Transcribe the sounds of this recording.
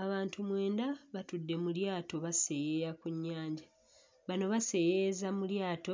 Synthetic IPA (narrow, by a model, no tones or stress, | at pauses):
aβaːntumwe̞ːndaβatudːe̞muljaːto̞βase̞jeɾakuɲːaːɲɟa | βano̞βase̞jezamuljaːto̞